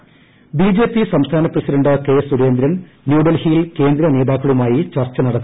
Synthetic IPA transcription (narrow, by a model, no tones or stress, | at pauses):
biːd͡ʑe̞ːpːisɐmst̪ʰaːnɐprɐsiɖɐɳɖɨke̞ːsuɾe̞ːnd̪ɾɐn | njuːɖɐlhijilke̞ːnd̪ɾɐne̞ːd̪aːkːɐɭumaːjit͡ɕɐrt͡ɕːɐnɐɽɐt̪ː